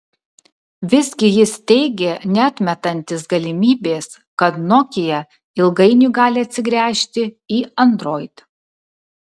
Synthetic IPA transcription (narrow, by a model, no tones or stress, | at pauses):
ʋʲɪsʲɡʲɪjɪst̪ʲɛɪɡʲeːnʲɛɐt̪ʲmʲɛt̪ɐnʲt̪ʲeːsɡɐlʲɪmʲiːbʲeːs | kɐt̪noːkʲɪjɛ | ɪlˠɡɐɪnʲuɡɑːlʲɪɐt̪ʲsʲɪɡɾʲæːʃʲt̪ʲɪiːɐnd̪ɾoːɪt̪